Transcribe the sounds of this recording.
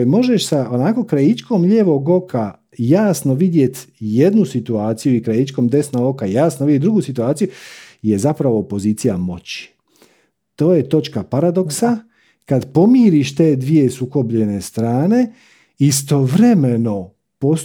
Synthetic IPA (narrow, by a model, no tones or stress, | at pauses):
mo̞ʒe̞ʃsaonako̞kɾajit͡ʃkoːmʎe̞ːʋo̞ɡo̞kʰa | jaːsnoʋid̪je̞t̪je̞d̪nusit̪uaːt̪sijuikɾajit͡ʃkoːmd̪e̞snoɡo̞kajaːsnoʋid̪jeɾuɡusit̪uaːt̪sijujezapɾaʋoːpo̞ziːt̪sijamo̞̰t͡ɕi̥ | t̪o̞ːje̞t̪o̞t͡ʃkapaɾad̪o̞ksa | kad̪po̞miːɾiʃt̪e̞ːd̪ʋije̞suko̞bʎe̞ne̞st̪ɾaːne̞ | ist̪o̞ʋɾe̞me̞no̞ | po̞s